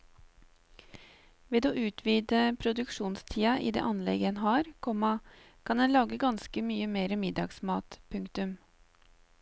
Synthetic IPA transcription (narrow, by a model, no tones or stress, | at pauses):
ʋeːd̪oːʔʉːt̪ʰʋiːd̪əpʰɾʊd̪ʉkʂuːnst̪ʰiːɑʔḭːd̪ḛːʔɑnlɛ̰ɡɛnɦɑːɾkʰɔmɑ | kʰɑnd̪ɛnlɑːɡəɡɑnskəmyːəmeːɾəmɪd̪ɑɡsmɑːt̪pʰʉŋkt̪ʉm